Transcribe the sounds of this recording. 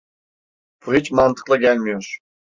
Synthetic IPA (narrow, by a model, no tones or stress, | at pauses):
pit͡ɕmɑnd̪ɤ̥̆qlˠɤ̆ɡʲælʲmʲeʂ